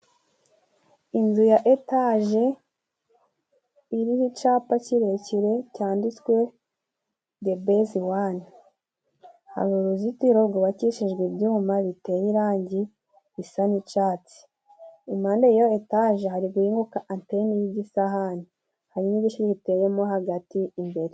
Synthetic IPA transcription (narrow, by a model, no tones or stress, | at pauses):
inzujaʔetaʒe | iɾihit͡ʃapaciɾeciɾe̞caːndit͡skwe̞ | debeziwani | ha̰ɡuɾuzitiɾoɡoβaciʃiʒɡwibjuːmaβite̞jiɾaːɲɟi | βisanit͡ʃaːt͡si̥ | imaːndeijoetaʒeɦaɾiɡuiːŋɡukaʔantenijiɟisaɦani | haɾinibɟiʃiɾiβite̞jemoɦaɡatiːmbe̞ɾe